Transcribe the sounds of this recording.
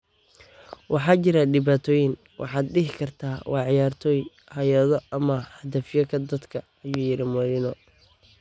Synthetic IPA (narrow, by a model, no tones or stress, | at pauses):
wɑħɑːt͡ʃɪɾɐɖɪβaːt̪ʰɔːjɪn | wʔɑ̰ħɑːd̪ɖɪɦɪkʰɐrt̪ʰaːwʔɑːʕɪjaːrt̪ʰɔːj | hɐjɐðɔɐmɐhɐd̪ɐfjɐkʰɐd̪ɐd̪kʰɐ | ɐjuːjɪɾɪmɔlɪnɔ